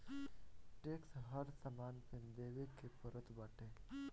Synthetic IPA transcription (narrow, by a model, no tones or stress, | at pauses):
ʈeːksɦəɾsəmaːnpʰɪnd̪eːʋekepəɾət̪bəʈeː